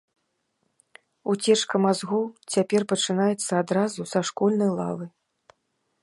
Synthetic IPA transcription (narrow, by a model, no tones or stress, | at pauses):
ut͡sʲɛʂkɐmazɣut͡sʲapʲɛrpɐt͡ʂɨn̪ajɛt̪sːɐad̪ɾazusaʂkɔlʲnɐjlˠa̰vɨ